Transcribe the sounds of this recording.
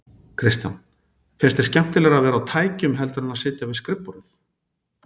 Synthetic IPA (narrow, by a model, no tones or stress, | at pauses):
kʰɾɪst̪ja̰n | fɪnst̪ɛ̥ɾscɛm̥t̪ɪlɛɣavɛːɾawt̪ʰaːjcʏmɦɛlt̪ʏɾʏnaðsɪːt̪javɪðskɾɪpːɔɾʏθ